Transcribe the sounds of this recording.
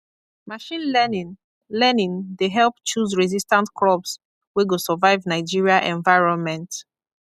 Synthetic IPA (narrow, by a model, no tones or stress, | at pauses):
maʃĩnlɛnĩn | lɛnĩndeɦɛlˠpt͡ʃuzɹizistãntkʰlɔbs | weɡosɔvaɪvnaɪd͡ʒiɹiaʔɛ̃ɱvaɪɹɔ̃nmɛ̃nt